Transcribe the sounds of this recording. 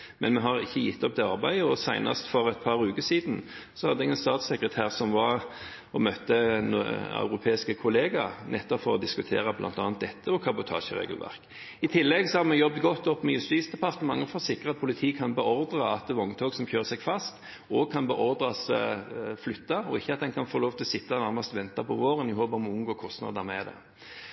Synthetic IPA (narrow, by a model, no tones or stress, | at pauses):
mɛnmɛɦɑɾɪçːəjɪt̪ːɔp̚d̪ɛɑɾbæɪəɔsæɪnɑ̰st̪fɔɾɛt̪̚pʰɑɾʉːkəsiːd̪n̩ | sɔhɑd̪əɛɡɛnst̪ɑːt̪sɛkʁət̪ʰæːʁsɔmʋɑ | ɔmœt̪ːənɑ̰ʉɾʊpʰeːɪskəkʰʊleːɡɑnʔɛt̪ːɔpfɔɾɔd̪ɪskʉt̪ʰḛːɾɑblʔɑ̰nt̪ɑːnət̪̚d̪ɛt̪ːəɔkʰɑbʊt̪ʰɑ̰ːʃəɾḛːɡəlʋæ̰ʁk | ɪt̪ʰɪlːɛɡsɔhɑʁmɛjɔbd̪ɡɔt̪ːɔpːmɛjʉst̪iːsd̪ɛpʰɑʁt̪ənmɑŋːəfɔsɪkːɾʁɑt̪̚pʰʊlɪt̪ʰiːkʰɑnbəɔɾd̪ʁɑɑt̪̚d̪ɛʋɔŋt̪ʰoːɡsɔmçøːʁsɛɡfɑst̪ | ɔɡ̚kʰɑnbəʔɔɾd̪ɾɑs | flʏt̪ːɑɔɪçːəɑt̪̚d̪ɛnkʰɑnfoloːʋt̪ʰɪlɔsɪt̪ːɑnæɾmɑst̪ʋɛnt̪ɑpʰɔʋoːʁənɪhoːbəmɔʊmɡoːkʰɔst̪nɑ̰ːd̪əmɛd̪ɛ̰